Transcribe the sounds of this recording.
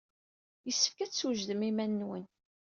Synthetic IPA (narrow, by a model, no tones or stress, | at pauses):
jəsːə̥fkæt͡sːuʒðəmimænːwən